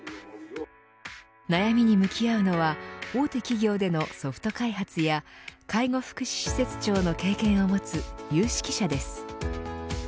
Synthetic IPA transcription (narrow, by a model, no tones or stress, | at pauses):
najamʲiɲ̟imɯ̟kʲiaɯ̟no̞βao̞ːt̪e̞kʲiɡʲo̞ːd̪e̞no̞so̞ɸɯ̥t̪o̞kaiɦat͡sɨjakaiŋo̞ɸɯ̥kɯ̟ɕi̥ɕi̥se̞t͡sɨ̥t͡ɕo̞ːno̞ke̞ːkẽ̞ɰ̃o̞mo̞t͡sɨjɯːɕi̥kʲi̥ɕad̪e̞sɨ̥